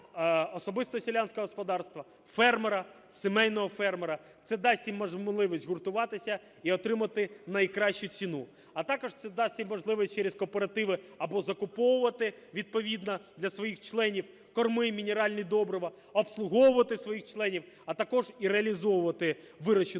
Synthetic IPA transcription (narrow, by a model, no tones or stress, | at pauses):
ɔsɔbɪst̪ɔsʲɪlʲanʲsʲkɔɦɔspɔd̪ɑrst̪ʋɐ | fɛrmeɾɐ | semɛjnɔɦɔfɛrmeɾɐ | t̪sɛd̪ɑsʲtʲimɔʒmlˠɪʋisʲtʲɦʊrt̪ʊʋɑt̪ɪsʲɐ | iɔt̪ɾɪmɐt̪ɪnɐjkɾɑʃt͡ʃʊt͡sʲinu | ɐt̪ɑkɔʐt̪sɛd̪ɑsʲtʲimɔʒlˠɪʋɔsʲt͡ʃːeɾʲez̥kɔpeɾɐt̪ɪʋɪɐbɔzɐkʊpɔwʊʋɐt̪ɪʋʲid̪̚pɔʋʲid̪nɐd̪lʲɐsʋɔjixt͡ʃlˠɛnʲiw | kɔrmɪmʲinʲeɾɑlʲnʲid̪ɔbɾɔʋɐ | ɔpslˠʊɦɔwʊʋɐt̪ɪsʋɔjixt͡ʃlˠɛnʲiw | ɐt̪ɐkɔʒiɾeɐlʲizɔwʊʋɐt̪ɪ | ʋɪɾɔt͡ʃɪ